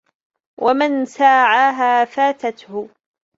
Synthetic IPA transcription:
wʔamansaːʕaːɦaːfaːt̪at̪hʊ

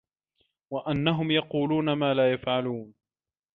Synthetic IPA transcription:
waʔanːaɦʊmjɑquːluːnamaːlaːjafʕaluːn

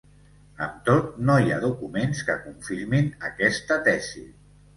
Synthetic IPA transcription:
əmt̪ot̪̚noja̰ðukumenskəkuɱfiɾminəkɛst̪ət̪ɛzi

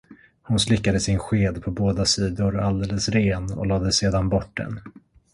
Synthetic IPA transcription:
hʊnslɪkːad̪əsɪnɧeːd̪pʰɔboːd̪asiːd̪ʊɾald̪eːləsɾeːnɔ̰lɑːd̪əseːd̪anbɔʈ̚ɖ̪ɛ̰n

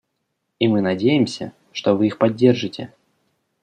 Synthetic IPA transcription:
imɨnɐdʲejɪmsʲə̰ | ʂt̪o̞vɨixpɐdʲːe̞rʐɨtʲɪ̰

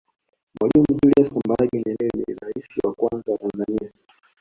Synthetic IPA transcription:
mwʔalimuʄuliaskɔmbaɡiɲɛnɛlinḭiɾaisiwakwanzawatanzania

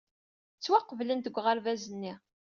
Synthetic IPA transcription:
t͡sːwaqːəvlənt̪əɡʷːʁəɾvæzənːi

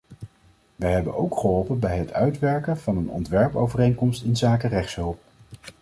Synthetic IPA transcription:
ʋəjɦɛbənowkχəɦɔlˠpənbɛjɦətʰœɥtʋɛɹkənv̥ɑnənɔ̰ntʋɛɹpo̰wvərejnkɔmstɪnzaːkərɛχtsɦɵlˠp̚

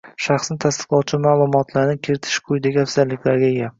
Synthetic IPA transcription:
ʃaχsnɪt̪ʰast̪ɨ̥qlˠɒwt͡ʃʰɪmaːlˠʊmɒt̪ʰlaɾnɪkʲʰeɾɪt̪ʰɪ̥ʃqʰʊjd̪aɡʲafsalːɪkʲlaɾɡʲaja

